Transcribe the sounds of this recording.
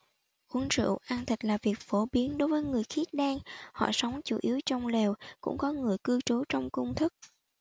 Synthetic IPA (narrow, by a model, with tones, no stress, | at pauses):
ʔu˨˦nsɨ̰˧˨ʔaː˧nt̪ʰi˨˩k̟̚laː˨˩vi˨˩ək̚fo˧˩ɓi˨˦ənɗo˨˦jvəː˨˦jŋɨ˨˩əjxi˦˥ət̚ɗaː˧ŋhɔ̰˧˨sa˨˦wŋ͡mt͡ɕṵ˧˩ʔi˨˦əwt͡ɕɔ˧wŋ͡mlɛ˨˩wkʊ̰˧˥ŋ͡mkɔ˨˦ŋɨ˨˩əjkɨ˧t͡ɕo˨˦t͡ɕɔ˧wŋ͡mkʊ˧wŋ͡mt̪ʰɨ˦˥k̚